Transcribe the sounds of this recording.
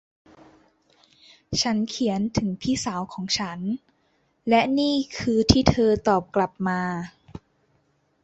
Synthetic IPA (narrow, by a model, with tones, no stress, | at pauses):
t͡ɕʰa˦˥nkʰi˩˦ənt̪ʰɯ˩˦ŋpʰiː˥˩saː˩˦wkʰɔː˩˦ŋt͡ɕʰa˦˥n | lɛ˦˥niː˥˩kʰɯː˧t̪ʰiː˥˩t̪ʰɤː˧t̪ɔː˨˩p̚kla˨˩p̚maː˧